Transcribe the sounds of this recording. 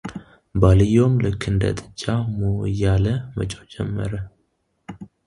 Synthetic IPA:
balɨjːomlɨkʰːɨnd̪ə̰t̪ʼɨt͡ʃʼːamowjːaləmə̰t͡ʃʼod͡ʒɛ̰mːə̰ɾə

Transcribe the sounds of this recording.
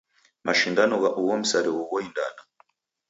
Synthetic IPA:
mʔaʃindanɔɣaʔuwɔm̩saɾiwuɣɔinda̰na

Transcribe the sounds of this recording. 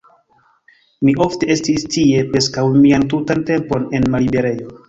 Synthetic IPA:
miʔo̞fte̞e̞stistie̞pɾe̞skawmiantutante̞mpo̞ne̞nmalibe̞ɾe̞jo̞

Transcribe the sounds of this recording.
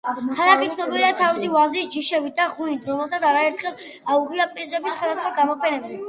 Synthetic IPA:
t̪ʰaɾakʼit̪sʰnɔbiɾiat̪ʰavisivazisd͡ʒiʃɛbit̪̚d̪aʁunit̪ʰɾɔmɛlˠsat̪sʰaɾaɛɾt̪ʰχɛlˠ | auɡʼiapʼɾizɛbisχwɛd̪asχwaɡamɔpʰɛnɛbzɛ

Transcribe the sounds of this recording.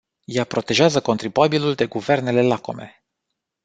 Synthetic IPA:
japɾo̞t̪e̞ʒeazəko̞nt̪ɾibuabiluld̪e̞ɡuve̞rne̞le̞lako̞̰me̞̰

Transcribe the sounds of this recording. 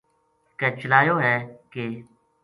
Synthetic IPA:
kɛ̃ːt͡ʃəlaːjoːɦɛːkeː

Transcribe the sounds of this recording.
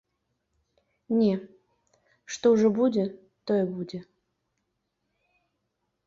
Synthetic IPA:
nʲe | ʂt̪oʐɛbudʲɪ | t̪ojɛbudʲɪ

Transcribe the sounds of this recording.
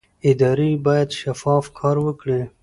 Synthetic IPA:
ɪd̪ɑɾibɑjad̪ʃafɑfkʰɑɾwəkɽe

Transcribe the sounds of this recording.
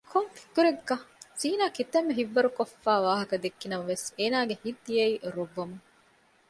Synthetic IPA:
kʰomfi̥kːuɾeɡːɐz̥iːnaːkit̪ɐmːeɦiʋːɐɾukofːæːʋaːɦɐkɐd̪ekːinɐmɐʋeseːnaːɡehid̪ːijeiːɾoʋːɐmu

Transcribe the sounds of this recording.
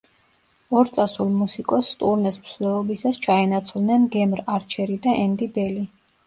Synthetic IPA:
ɔɾt̪sʼasulˠmusikʼɔst̪ʼuɾnɛsmsd̪ɛlˠɔbisast͡ʃʰaɛnat̪sʰlˠnɛnɡɛmɾaɾt͡ʃʰɛɾid̪aʔɛnd̪ibɛli

